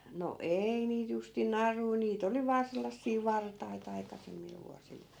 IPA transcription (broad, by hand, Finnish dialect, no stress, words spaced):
no ei niːt justin nɑrui niːt oli ʋɑː selːɑsːiː ʋɑrtɑit ɑikɑsemːil ʋuɑsil